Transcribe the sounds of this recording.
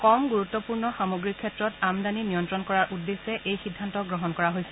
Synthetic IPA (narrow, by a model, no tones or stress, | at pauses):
kɔmɡuɹutːɔpuɹnɔxamoɡɹikʰːɛtɹɔtamdaninijɔntɹɔnkɔɹaɹʔudːesːɛʔejxidʱːantɔɡɹɔɦɔnkɔɹaɦojsɛ